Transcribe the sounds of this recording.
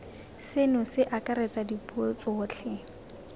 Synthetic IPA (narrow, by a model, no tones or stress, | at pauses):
sɪnʊsɪʔakʼaɾet͡sʼadipʼuot͡sʼɔːt͡ɬʰɛ